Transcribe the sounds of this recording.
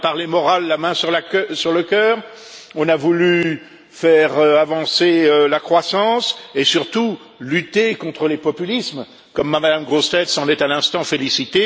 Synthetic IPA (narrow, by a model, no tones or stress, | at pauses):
paʁlemɔʁalːamɛ̃syʁlaksyʁləkʲœːʁ | ɔ̃navuly | fɛʁøavɑ̃seølakχwasɑ̃sesyʁt̪u | lyt̪ekɔ̃t̪χəlepɔpylism | kɔmːamad̪amɡʁost̪ɛt̪sɑ̃nɛt̪alɛ̃st̪ɑ̃felisit̪e